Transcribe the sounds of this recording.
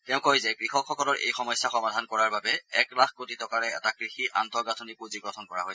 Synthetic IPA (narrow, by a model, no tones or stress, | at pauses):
tɛʊ̃kojzɛkɹixɔkʰxɔkɔlɔɹʔḛjxɔmɔjsaxɔmadʱankɔɹaɹbabɛɛklakkotitɔkaɹɛɛtakɹixiʔantɔɡatʰɔnipuziɡɹɔtʰɔnkɔɹa̰ɦojɛ